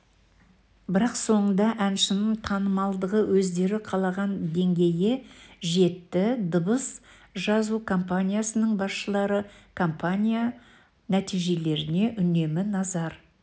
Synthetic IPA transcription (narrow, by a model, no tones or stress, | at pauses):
bɪɾɑqso̞ɴənd̪ɑʔænʃɪnɪɴt̪ʰɑnəmɑlˠd̪əʁəwʔɵzd̪e̞ɾɪqʰɑlˠɑʁɑnd̪e̞ŋɡʲe̞jeʒe̞t̪ːɪd̪ʊbəs | ʒɑzukʰo̞mpanʲijasənəɴbɑsʃəlˠɑɾəkʰo̞mpanʲija | næt̪ijʒe̞le̞ɾɪne̞ʔʏne̞mɪnɑzɑɾ